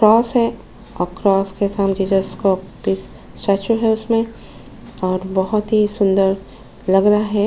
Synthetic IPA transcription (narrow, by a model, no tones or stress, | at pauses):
kɾɔːsɦɛ | ɔːɾkɾɔːskesaːmd͡ʒid͡ʒəskobis | sat͡ʃuɦɛʊsmẽ | ɔːɾbɔɦʊt̪ɦisʊ̃nd̪əɾ | lɐɡɾaaɦɛ